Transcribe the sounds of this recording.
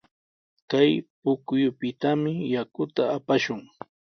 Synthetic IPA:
kajpʊkʊjʊpɪt̪amɪjakʊt̪aːpaʃʊŋ

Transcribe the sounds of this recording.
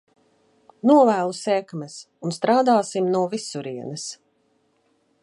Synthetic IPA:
nuɔvæːlˠusɛkmɛs | unst̪ɾaːd̪aːsimnuɔvisuɾiɛnɨs

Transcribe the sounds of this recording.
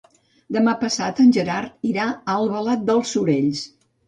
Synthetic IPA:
d̪əmapəsat̪ənʲʒəɾaɾt̪̚iɾaəlˠβəlat̪̚d̪əlˠsuɾeʎs

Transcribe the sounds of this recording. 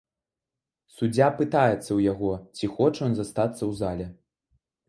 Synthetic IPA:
sud͡zʲapɨt̪ajɛt̪sːɐwjaɣɔt͡sʲixɔt͡ʂjɔnzast̪at̪sːɐwzalʲɛ

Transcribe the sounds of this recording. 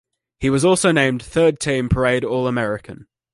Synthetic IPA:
hiwɒzɔˑlˠsəʊnẽɪ̃mθɜːd̚tʰĩːmpʰəɹeɪɾɔːləmɛɹɪkʰə̃n

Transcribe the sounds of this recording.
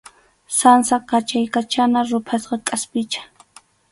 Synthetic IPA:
sansakat͡ʃajkat͡ʃanaɾʊpʰasqɑkʼaspɪt͡ʃḁ

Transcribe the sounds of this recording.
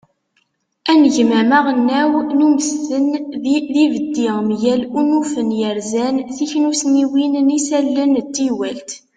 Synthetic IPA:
ænəʝmæmaʁənːæwnuməsθənðivəd̪ːiʁmjælunufənjəɾzænθiçnusniwinnisælːənt̪ːiwælt̪

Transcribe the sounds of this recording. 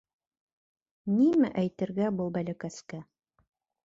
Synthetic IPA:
nimɘʔæjt̪ɘ̆ɾɡæbulˠbælɘ̆kæskæ

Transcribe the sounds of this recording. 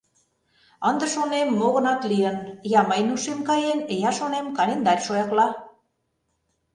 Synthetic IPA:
ənd̪ə̆ʃonemːoɣɤ̆nɑt̪liənjɑməjnuʃemkɑjenejɑʃonemkɑlend̪ɑrʲʃojɑklɑ

